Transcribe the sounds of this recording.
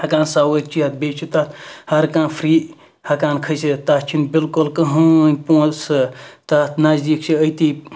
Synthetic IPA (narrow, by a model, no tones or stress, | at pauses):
hɐkaːnsaːwət̪̚t͡ʃʰiɦɐt̪̚beːt͡ʃʰit̪ɐt̪hɐɾkãːnpʰɾiː | hɐkãːnkʰɐjsit̪at͡ʃʰinbilkulkəɦɨnʲpõːsɨt̪at̪ʰnɐzd̪ikt͡ʃʰiət̪i